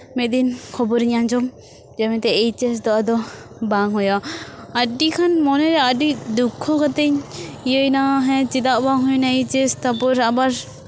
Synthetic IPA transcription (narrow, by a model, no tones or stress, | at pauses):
mɛʔ̪̚d̪inkʰɔbɔɾiɲand͡ʒɔm | d͡ʒɛmɛt̪ɛːjt͡ʃɛs̬d̪ɔʔad̪ɔbaŋɦɔjɔaɖikʰanmɔnɛɾɛaɖid̪ukʰːɔkɔt̪ɛɲijəjnaɦɛ̃t͡ʃit̪aʔbaŋɦujnait͡ʃɛst̪apɔɾabaɾ